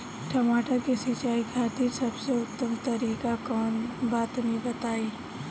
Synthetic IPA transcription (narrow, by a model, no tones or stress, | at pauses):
ʈʰɐmaːʈakesɪt͡ʃaːiɡʱaːt̪isɐbseʊt̪ːəmt̪ɐɾiːkakɔːnbaːt̪nĩbɐt̪aːiː